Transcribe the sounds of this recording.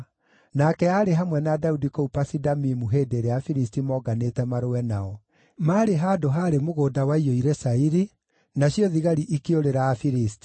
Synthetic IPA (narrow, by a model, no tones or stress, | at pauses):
nakɛaɾeɦamwɛnadaudikoupasidamimuɦeːdeɾeafiɾistimɔɡanetɛmaɾowɛnaɔ | maɾeɦaːdoɦaɾemoɣoːdawaioiɾesaiɾi | naɕjɔðiɣaɾiʔikeoɾeɾaafiɾisti̥